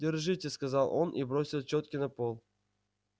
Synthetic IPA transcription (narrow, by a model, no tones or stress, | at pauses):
dʲɪrʐɨtʲeskazɑlˠʔonʔḭbɾosʲɪlˠt͡ɕot̪kʲinɐpolˠ